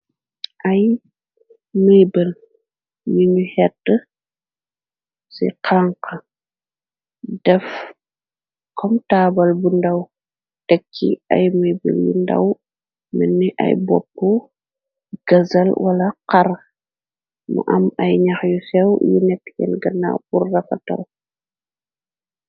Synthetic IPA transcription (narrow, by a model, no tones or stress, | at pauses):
ʔɐj | məjbəl | juɲuhɛtːə | sḭqʰaŋqɐ | dɛf | kʰɔmtaːbɐlbundɐw | tɛkʰːḭɐjmujbḭljṵndɐ̰w | mənːiʔɐ̰jbɔpːu | ɡ̥ɐzɐlwɐlɐqɐr | mɐ̰ʔɐmɐjɲɐxjusɛwjṵnɛtːkɛ̰nɡɐnːa̰burːɐfɐtɐ̰l